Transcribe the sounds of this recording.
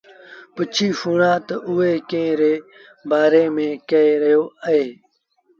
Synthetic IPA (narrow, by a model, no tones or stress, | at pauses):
pət͡ʃʰiːfuːɽãːt̪ɐʔueːkẽːɾeː | baːɾeːmẽːkɐeɾɐjoːəɦeː